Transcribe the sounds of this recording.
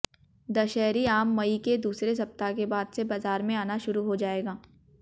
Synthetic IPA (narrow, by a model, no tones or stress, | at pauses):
d̪ɐʃɛːɾiaːmːɐiked̪uːsɾes̬ɐp̚t̪akebaːd̪sebaːzaːɾmẽaːnaʃʊɾuɦod͡ʒaːeːɡaː